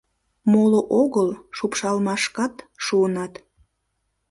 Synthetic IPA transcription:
moloʔoɣəlʃupʃɑlmɑʃkɑt̪ʃuənɑt̪

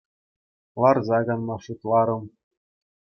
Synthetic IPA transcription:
lˠɑrzɑɡɑnmɑʂut̪lˠɑɾɤ̆m

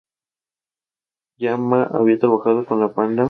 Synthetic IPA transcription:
jamaʔa̰βiat̪ɾaβaxaðokonapanla

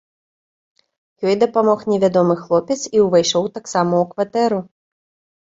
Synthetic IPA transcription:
jɔjd̪ɐpamɔxnʲɛvʲad̪ɔmɨxlˠɔpʲɛt̪siwvajʂɔwt̪aksamɐukvat̪ɛɾu

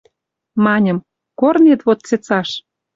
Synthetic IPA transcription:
mɑnʲə̆m | kornet̪βot̪̚t͡set͡sɑʃ

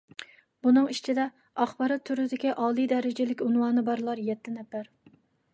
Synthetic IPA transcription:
bunɨŋit͡ʃʰid̪ɛ | ɑχbɑɾɑt̪ʰːyɾd̪ɪkʲɛʔɑːlˠijd̪ɛɾɪd͡ʒɪlɪkʲunwɑːnɨbɑɾlˠɑɾjɛt̪ʰːɪnɛfæɾ

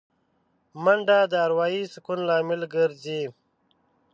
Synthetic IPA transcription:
məɳɖaːd̪əːɾwaːiːsukunlaːmilɡəɾzi

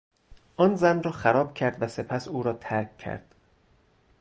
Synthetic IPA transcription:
ʔɒːnzænrɒːxæɾɒːbcʰæɾd̪væse̞pʰæsuːɾɒːt̪ʰæɾkʰcʰːæ̰ɾd̪̥

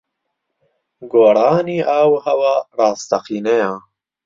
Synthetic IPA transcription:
ɡoːɽɑːniawhawaɾɑːst̪aqinejɑ̃ː

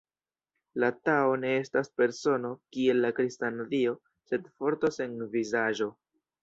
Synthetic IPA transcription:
latao̞ne̞e̞staspe̞ɾso̞no̞kie̞lːakɾistanzio̞ | se̞dfo̞ɾtose̞nvizaʒo̞

